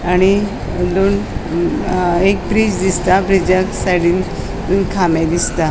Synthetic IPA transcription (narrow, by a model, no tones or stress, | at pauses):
aɽ̃i | luːn | ek̚bɾid͡ʑd̪ist̪abɾid͡ʑaksaɽiːn | t̪unkʰamãd̪ist̪a